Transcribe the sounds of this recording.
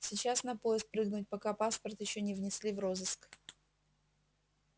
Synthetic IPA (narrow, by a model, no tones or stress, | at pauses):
sʲɪt͡ɕasnɐpo̞jɪsk̚pɾɨɡnʊt̚ʲpɐkapaspərt̪jɪɕːonʲɪvnʲɪsʲlʲivro̞zɨsk